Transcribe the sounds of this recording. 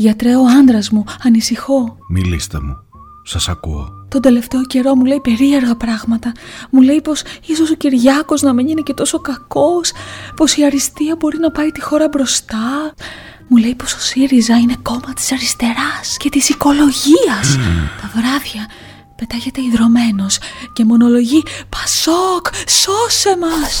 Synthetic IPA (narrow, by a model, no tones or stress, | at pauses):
ʝɐt̪ɾe̞oɐnd̪ɾɐzmuɐnisixo̞mḭlḭst̪ḛmṵ | sɐsɐ̰kṵo̰t̪o̞nd̪e̞le̞ft̪e̞o̞ce̞ɾo̞mule̞jpe̞ɾie̞ɾɣɐpɾɐɣmɐt̪ɐmule̞jpo̞siso̞so̞ciɾʝɐko̞znɐmeɲinece̞t̪o̞so̞kɐko̞spo̞siɐɾist̪iɐbo̞ɾinɐpɐit̪ixo̞ɾɐbɾo̞st̪ɐ | mule̞jpo̞so̞̥siɾizɐine̞ko̞mɐt̪i̥sɐɾist̪e̞ɾɐsce̞t̪isiko̞lo̞ʝiɐst̪ɐvɾɐðʝɐ | pe̞t̪ɐçe̞t̪e̞iðɾo̞me̞no̞sce̞mo̞no̞lo̞ʝipɐsokso̞se̞mɐs